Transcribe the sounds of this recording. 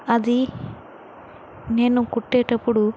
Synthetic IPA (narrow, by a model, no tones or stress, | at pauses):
ɐd̪i | neːnukuʈːeːʈɐpːuɽu